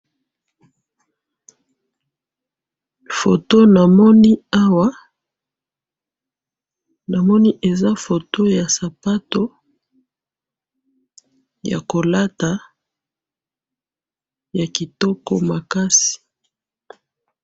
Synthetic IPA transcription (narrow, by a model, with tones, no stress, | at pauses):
fo˨to˦na˨mɔ˦ni˦a˦wa˦ | na˨mɔ˦ni˦ʔe˨za˦fo˨to˦ja˨sa˨pa˦to˦ | ja̰˨ko˨la˦ta˨ | ja˨ki˨tɔ˦kɔ̰˦ma˨ka˦si̥˨